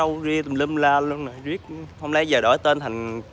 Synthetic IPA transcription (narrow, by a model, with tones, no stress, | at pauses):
ə˧wzi˧ə˨˩lə˧mlaː˧lu˧ənnː˨˩jzi˦˥ək̚hə˧wŋ͡mla˨˦jzəː˨˩ɗəː˧˩˦jt̪e˧nt̪ʰa˨˩jŋ̟